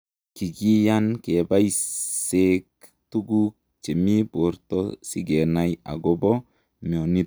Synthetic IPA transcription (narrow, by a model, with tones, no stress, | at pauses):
ki˨ɡi˦ja˦nke˨ba˦jsek̚ | tu˦ɡuk̚ | t͡ʃe˨mi˦bo˨ɾtɔsi˦ɡe˨na˨ja̰˨ɡo˦bɔ˦ | m˨o˨ni˦